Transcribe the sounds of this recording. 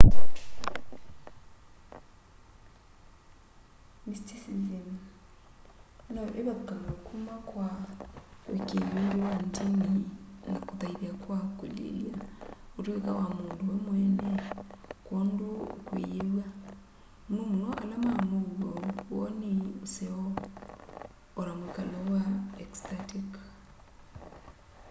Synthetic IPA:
mistisizem | nɔʔeβakukaŋakumakwa | ekelendewandininakutaiβiakwakolḛliautwekawamuːndowɛmwɛnɛkoːndokwḛjeβwa | munomunoʔalamamuwoβɔniuseɔ | ɾamwekalɔwaɛkstatik

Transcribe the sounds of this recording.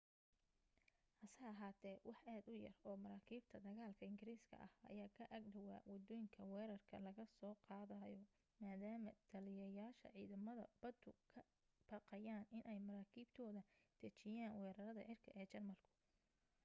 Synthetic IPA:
hɐsɐjɐɦaːt̪ʰɛːwʔɑħʔaːd̪ʊjɐ̰rɔːmɐɾaːkʰiːb̚t̪ʰɐd̪ɐɣaːlkʰɐɪŋɡɪɾiːskʰɐ̰ʔɐhɐ̰jaːkʰɐʔɐɡɖɐwa̰ːwɑd̪ɔːjɪŋkʰɐwɛːɾɐrkʰɐ̰lɐɣɐsɔːqɑːðɐjɔ | maːðaːmɐt̪ʰɐlɪjɐjaːʃɐ̰ʕiːðɐmɐðɐ̰b̥ɐd̪ʊkʰɐ | b̥ɑqɑjaːnɪnʔɛjmɐɾaːkʰiːbt̪ʰɔːðɐd̪̥ɐt͡ʃɪjaːnwɛːɾɐɾɐðɐ̰ʕɪrkʰɐʔɛːt͡ʃɐrmɐlkʰʊ̥

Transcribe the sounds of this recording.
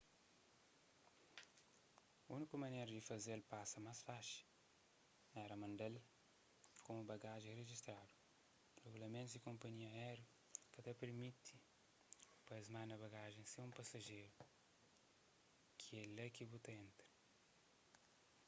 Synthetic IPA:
unikʊmɐ̃nejɾʊd̪ɪfɐzelpasɐmasfaʃɪ̥ | ɛɾɐmɐ̃nd̪ɛl | kõmubaɡaʒẽj̃reʒist̪ɾad̪ʊ | reɡulɐmẽnt̪zd̪ɪkõmpɐɲiɐɛɾjʊ | kɐt̪ɛpeɾmit̪ʰɪ̥ | pɐzmaɾnɐβaɡaʒẽj̃seũpasɐʒejɾʊ | kʰelɐkibut̪ɐẽnt̪ɾɪ̥

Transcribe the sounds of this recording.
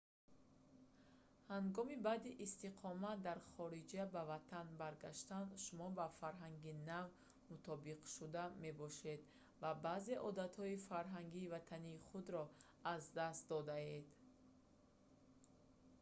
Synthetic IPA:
haŋɡɔmibad̪iʔːst̪iqʰɔmad̪aɾχɔɾid͡ʒabavat̪ʰanbaɾɡaʃt̪and̪ʃumɔbafaɾɦaŋɡinav | mut̪ʰɔbiqʃud̪ame̞bɔʃe̞d̪ | vabaːze̞ʔɔd̪at̪hɔifaɾɦaŋɡiːvat̪ʰaniːχud̪ɾɔ | azd̪ast̪̚d̪ɔd̪aed̪

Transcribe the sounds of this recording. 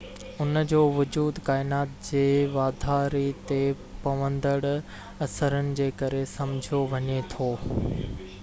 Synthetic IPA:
ʊnd͡ʑoːʋʊd͡ʑuːd̪kaːɪnaːt̪̚d͡ʑeːʋaːd̪ʱaːɾit̪e | pɐʋə̃nd̪əɽ | ɐsəɾənɪ̆d͡ʑeːkɐɾesɐ̃md͡ʑʱjoʋɐɲet̪ʰoː

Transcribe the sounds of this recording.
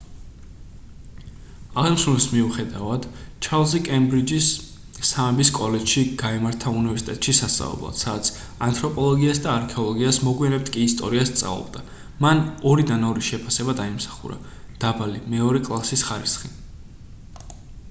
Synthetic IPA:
aʁɛmʃulismiuχɛd̪avad̪̥t͡ʃʰaɾlˠzikʼɛmbɾid͡ʒisː | amɛbiskʼɔlɛd͡ʒ̥ʃiɡ̥aɛmaɾt̪ʰaunivɛɾsit̪ʼɛ̰t̪ʼʃisast̪sʼa̰vɛ̰blˠa̰d̪̥sad̪at̪sʰ | ant̪ʼʰɾɔpʼɔlˠɔɡiasd̪aːɾkʰɛɔlˠɔɡiasmɔɡwianɛp̚t̪ʰkʼiːst̪ʼɔ̰ɾiast̪sʼa̰vlˠɔ̰bd̪a | manɔɾid̪anɔɾiʃɛpʰasɛbad̪aimsḁχṵɾa̰ | d̪̥abalḭmɛɔɾɛkʼlˠasisχaɾḭsχi

